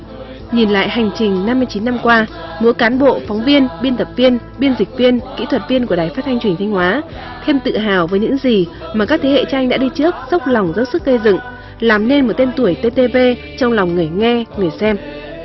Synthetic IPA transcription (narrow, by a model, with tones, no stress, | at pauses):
ɲi˨˩nla̰ː˧˨jha˨˩jŋ̟t͡ɕï˨˩ŋ̟na˧mːɨ˧t͡ɕi˨˦nːa˧mkwaː˧mu˨˦kaː˨˦nɓo̰˧˨fɔ˨˦wŋ͡mvi˧ənɓi˧ənt̪ə˨˩p̚vi˧ən | ɓi˧ənzi˨˩k̟̚vi˧ənkḭ˧˥t̪ʰwə˨˩t̚vi˧ənku˧˩əɗaː˨˩jfaː˦˥t̪̚ʰa˧jŋt͡ɕwi˨˩ŋt̪ʰjŋ̟hwaː˨˦ | t̪ʰe˧mt̪ɨ̰˧˨ɦaː˨˩wvəː˨˦jɲɨ̰˧˥ŋzi˨˩maː˨˩kaː˦˥k̚t̪ʰe˨˦hḛ˧˨t͡ɕʔa˧jŋ̟ɗa̰ː˧˥ɗi˧t͡ɕɨ˦˥ək̚z̥ə˦˥wk͡p̚la˨˩wŋ͡mzə˨˦wsɨ˦˥k̚kə˧jzɨ̰˧˨ŋ | laː˨˩mne˧nmo˨˩t̚t̪e˧nt̪u˧˩əjt̪e˧t̪e˧ve˧ | t͡ɕɔ˧wŋ͡mla˨˩wŋ͡mŋɨ˨˩əjŋɛ˧ŋɨ˨˩əjsɛ˧m